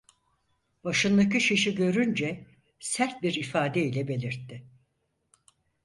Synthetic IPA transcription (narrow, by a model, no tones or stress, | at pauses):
baʃɯnd̪akɯʃeʃiɟø̞ɾynd͡ʒɛ | sæɾt̪̚biɾifaːd̪ɛilʲɛbe̞lʲiɾt̪ʰːɪ